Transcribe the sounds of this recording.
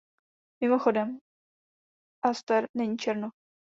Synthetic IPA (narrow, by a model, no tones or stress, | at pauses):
mɪmoxodɛm | ʔast̪ɛɾnɛɲiːt͡ʃɛɾnu